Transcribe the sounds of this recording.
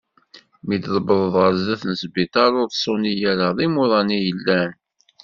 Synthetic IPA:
mid̪ðˤəbəðˤəðˤʁəɾzːæθnəsbit̪ɑɾˤʊɾðsˤʊnijæɾaðˤimʊðˤɑnijəlːæn

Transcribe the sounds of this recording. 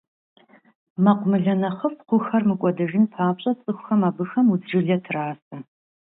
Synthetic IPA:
mɐqʷʊmɨɮɐnɐχəfqʷʊxɐrmɨkʷʼɔdɐʒɪnpʰaːpɕʼɐt͡sʼɨxʷxɐmaːbɨxɐmud͡zʒɪɮɐtʰraːsɐ

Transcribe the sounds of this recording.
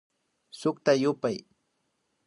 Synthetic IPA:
sʊkt̪ajʊpaj

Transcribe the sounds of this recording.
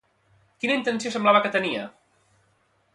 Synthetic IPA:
kinəint̪ənsijosəmblaβəkət̪əniə

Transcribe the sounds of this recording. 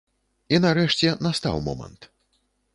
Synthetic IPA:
inaɾɛʂt͡sʲɛnast̪a̰wmɔ̰mɐ̰nt̪

